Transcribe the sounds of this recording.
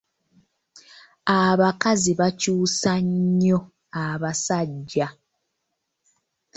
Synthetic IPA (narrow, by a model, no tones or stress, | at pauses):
aβakaziβacuːsaɲːo | aβasaɟːa